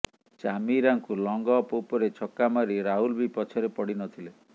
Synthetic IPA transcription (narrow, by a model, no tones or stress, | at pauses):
t͡ʃamiɾaŋkulɔŋɡɔpopɔɾet͡ʃʰɔkːamaɾiɾaɦulbipɔt͡ʃʰɔɾepɔɽinɔt̪ʰile